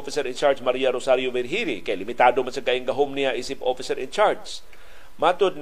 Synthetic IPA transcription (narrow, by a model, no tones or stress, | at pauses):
fɪsɛɾɪnt͡ʃaɹd͡ʒmɐɾiːaɾosaɾjovɛɾɦiɾɪkɐjalɪmɪt̪aːd̪omansɐɡaʔɪŋɡɐɦomnɪaʔiːsɪpʔofɪsɛɾɪnt͡ʃaɹs | mat̪od̪̚n